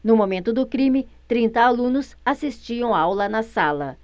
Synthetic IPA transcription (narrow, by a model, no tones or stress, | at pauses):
nʊmomẽnt̪ʊd̪ʊkɾĩmɪt̪ɾĩnt̪ɐalũnʊsasist͡ʃiɐ̃w̃aawlɐnɐsalɐ̰